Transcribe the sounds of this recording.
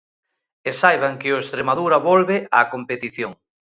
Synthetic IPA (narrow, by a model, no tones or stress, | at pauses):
esajβaŋkɪoest̪ɾemaðuɾaβolβeakompet̪iθjoŋ